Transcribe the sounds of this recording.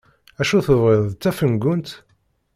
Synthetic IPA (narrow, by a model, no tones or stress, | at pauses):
æʃuθəvʁɪðˤt͡s̪ːæfənɡʊnt̪